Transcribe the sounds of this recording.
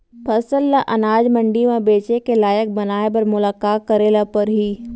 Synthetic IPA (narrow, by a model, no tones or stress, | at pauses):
pʰɐsəlːaʔɐnaːd͡ʒmə̃ɳɖimãbeːt͡ʃekelaːjək̚bɐnaːebɐɾmʊlaːkaːkəɾeːlapɐɾɦiː